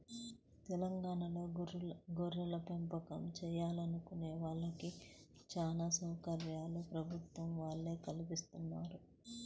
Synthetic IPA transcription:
t̪ɛlɐŋɡaːɳɐlo̞ːɡoɾːɐlɐpempɐkɐmt͡ʃɛːjaːlɐnukuneːʋaːɭːɐkit͡ʃaːnaːsɐːkɐɾjaːlupɾɐbʱut̪ʋɐmʋaːɭːeːkɐlibist̪unːaːɾu

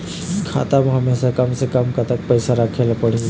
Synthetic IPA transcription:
kʰa̰ːt̪amɦɐmesakəmsekəmkat̪ək̚pəɪsaɾakʰelpəɽ̤i

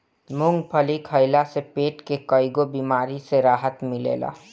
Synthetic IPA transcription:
mʊŋɡpʰəlikʰəɪlasepeːʈkekəɪɡobimaːɾiseɾaːɦət̪mɪlḛːla̰ː

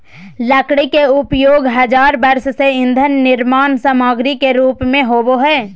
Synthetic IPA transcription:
ləkɽikeʊpjoːɡɦɐd͡ʒaːɾbɐɾsseɪ̃nd̪ʱənːɪɾmaːnsamaːɡɾikeɾuːpmẽɦoːboɦɛː

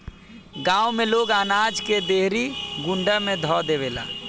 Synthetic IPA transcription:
ɡãːwmeloːɡaːnaːd͡ʒked̪eɦɾiɡʊ̃ɳɖəmẽd̪ʱɔːd̪eʋeːla̰ː

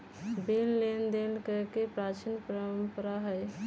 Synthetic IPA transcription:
belːend̪elkəɦkepɾat͡ʃinpəɾəmpəɾaɦə

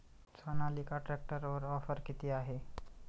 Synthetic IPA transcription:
t͡sʰɔnalikaʈɾɛk̚ʈəɾɔɾɔfəɾkit̪iaɦe

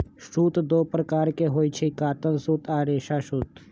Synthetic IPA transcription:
ʃɾuːt̪d̪oːpɾəkaːɾkeɦoːit͡ʃʰekaːt̪əlsuːt̪aːɾeːʃaʃuːt̪

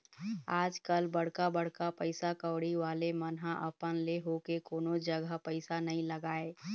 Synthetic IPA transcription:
aːd͡ʒkəlbɐɽ̤kabəɽ̤kapəɪsakəːɽiʋaːlemənɦaʔəpənleɦokekoːnod͡ʒəɡəpəɪsanɐɦĩləɡaːeː

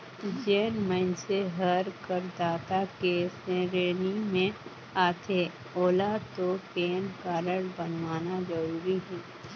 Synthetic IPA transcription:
d͡ʒeːnmə̃nseɦəɾkəɾd̪aːt̪akeːsẽɾeːnimẽ | aːt̪ʰeː | oːlat̪opeːnkaːɾəɽbənwaːnad͡ʒəɾuːɾiɦɛː

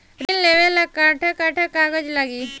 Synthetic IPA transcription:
ɾinleʋelːakaʈʰəkaʈʰəkaɡəd͡ʑlaɡiː

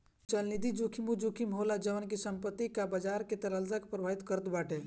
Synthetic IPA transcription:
t͡ʃəlnid̪id͡ʒukʰimud͡ʒukʰimɦolad͡ʒəʋənkisəmpət̪ːikabəd͡ʒaːɾket̪ɐɾəlzəkpɾəbʱaːɦit̪kəɾət̪baːʈe

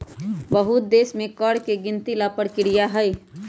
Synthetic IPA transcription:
bəɦut̪̚d̪eːsmẽkəɽkeɡɪnt̪ilapəɽkɪɽijaɦəj

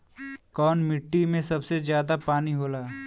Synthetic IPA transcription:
kɔːnmɪʈːimẽsɐbsezjaːd̪apaːniɦoːlaː

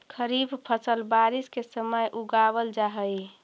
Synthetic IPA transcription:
kʰəɾibpʰəsəlbaɾiskesəməjʔuɡawəld͡ʒaɦəj

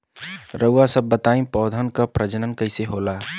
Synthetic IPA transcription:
ɾəʊasəbːət̪aːĩpɔːd̪ʱənkapɾəd͡ʒənənkəɪseɦoːlaː

